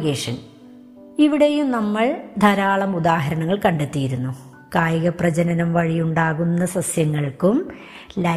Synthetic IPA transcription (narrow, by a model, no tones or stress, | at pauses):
ɣeːʂɐn | iʋiɽe̞jumnɐmːɐɭd̪ʱɐɾaːɭɐmud̪aːɦɐɾɐɳɐŋːɐɭkɐɳɖet̪ːijiɾunːu | kaːjɐɣɐprɐd͡ʑɐnɐnɐmʋɐɻijuɳɖaːɣunːɐsɐsjɐŋːɐɭkum | lɐ